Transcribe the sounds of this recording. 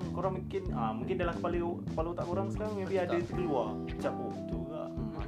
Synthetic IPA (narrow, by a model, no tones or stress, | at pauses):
koɾaŋmuŋkɪnəmuŋkɪndalahkəpalekəpalout̪aʔkoɾaŋsə̥kaɾaŋməpiaddat̪əɡəlua | i̥t͡ʃakuɡit̪uɡa̰ʔ